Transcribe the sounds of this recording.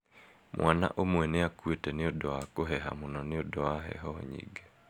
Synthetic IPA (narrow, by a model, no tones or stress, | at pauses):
mwʔana̰ʔomwɛneakwetɛneodɔakoɦɛɦa̰monɔneodɔwaɦɛ̰ɦɔɲḭɡe